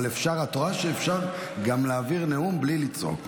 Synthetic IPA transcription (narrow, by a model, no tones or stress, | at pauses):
lefʃaʁhat̪oʁaʃeːfʃaʁɡamlaːviʁneumblilit͡so̞̰k